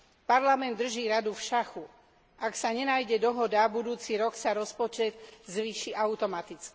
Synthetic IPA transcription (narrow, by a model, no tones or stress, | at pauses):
paɾlamɛnd̪ːr̩ʒiːɾad̪ufʃaxu | ʔaksaɲɛnajɟɛd̪ɔɦɔd̪abud̪uːt͡siɾɔksaɾɔspɔt͡ʃɛd̪zʋiːʃiʔaʊt̪ɔmat̪it͡ski